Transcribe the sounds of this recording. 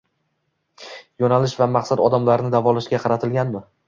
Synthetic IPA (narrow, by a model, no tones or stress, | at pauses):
jɒnalɪʃvamɑqsad̪ɒd̪amlaɾnɪd̪avɒlaʃɡʲaqʰɑɾat̪ʰɪlɡʲanmɪ